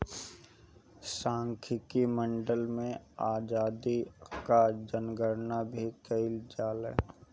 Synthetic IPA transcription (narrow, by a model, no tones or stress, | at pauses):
sãːŋkʰɪkimə̃ɳɖəlmẽaːd͡ʒaːd̪ikad͡ʒənɡəɾnabʱikəɪld͡ʒaːlɦɛ̰ː